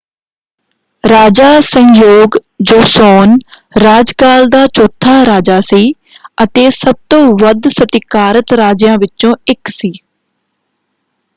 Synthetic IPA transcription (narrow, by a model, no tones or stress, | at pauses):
ɾaːd͡ʒaːsə̃ŋjoːɡd͡ʒoːsɔːn | ɾaːd͡ʒkaːld̪aːt͡ʃɔːt̪ʰːaːɾaːd͡ʒaːsiː | ət̪eːsəb̚t̪õːʋəd̪sət̪ɪkaːɾət̪ɾaːd͡ʒjãːʋɪt͡ʃːõːɪksiː